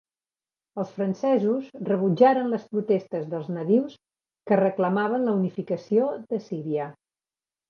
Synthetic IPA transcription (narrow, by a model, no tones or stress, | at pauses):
əlˠsfɾənsɛzuzrəβ̞ud͡ʒaɾənləspɾut̪est̪əzðəlˠznəðiws | kərəkləmaβ̞ənləunifikəsioðəsiɾiə